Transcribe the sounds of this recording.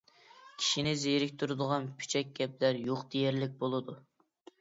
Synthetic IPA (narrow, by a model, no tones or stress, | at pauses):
kʲʰi̥ʃinɪzejɾɪkʲt̪ʰuɾɨd̪əʁɑnpʰy̥t͡ʃʰɛk̚ʲɡʲɛplæɾjoqd̪ejɛɾlɪk̚ʲbolˠɨd̪u